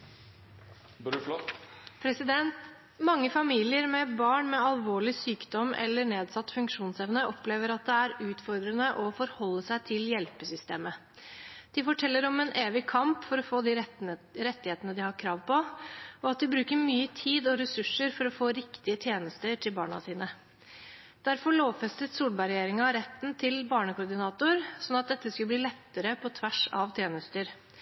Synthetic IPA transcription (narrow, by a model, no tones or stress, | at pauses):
pʰɾɛsɪd̪ɛnt̪ | mɑŋːəfɑmiːlɪəɾmɛbɑːɳmɛɑlʋoːɭɪsyːkd̪ɔmːʔɛ̰lːəɳeːd̪sɑt̪ːfʉŋkʂuːnsɛʋnəʔɔpleːʋəɾɑt̪̚d̪ɛæɾʉːt̪fɔɾd̪ɾənəʔɔfɔɾhɔlːəsæɪt̪ʰɪljɛlpəsʏst̪eːmə | d̪̥ɪfɔʈʰɛlːəɾɔmɛnʔeːʋɪkʰɑmpfɔɾɔfoːd̪ɪɾɛt̪ːɪheːt̪ənəd̪ɪhɑɾkʰɾɑːʋpɔɔɑt̪̚d̪ɪbɾʉːkəɾmyːət̪ʰiːd̪ɔɾɛsʉʂəɾfɔɾɔfoːɾɪkt̪ɪət̪ʰjeːnəst̪əʈʰɪlbɑ̰ːɳɑ̰siːnə | d̪̥æɾfɔɭoːʋfɛst̪ət̪suːlbɑɾɛjeːɾɪŋɑɾɛt̪ːnt̪ʰɪlbɑːɳəkʊɾɖ̪ɪnɑːt̪ʊɾsɔnːɑt̪̚d̪ɛt̪ːəskʉbliːlɛt̪ːəɾəpʰɔt̪ʰʋæʂɑʋt̪ʰjeːnəst̪əɾ